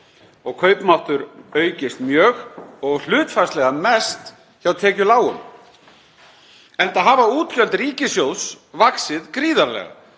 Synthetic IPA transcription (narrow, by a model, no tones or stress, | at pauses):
ɔɣkʰœɥpmawht̪ʏɾœːɥcɪst̪mjœːɣɔɣl̥ʏːt̪faslɛɣamɛst̪ | çawt̪ʰɛːcʏlaːwʏm | ɛnt̪aɦaːvauːt̪cœlt̪riːcɪsjows | vaksɪðkɾiːðaɾlɛ̰ɣa̰